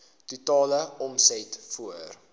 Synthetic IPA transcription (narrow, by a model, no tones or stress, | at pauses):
tutɑːləɔmsɛtfuər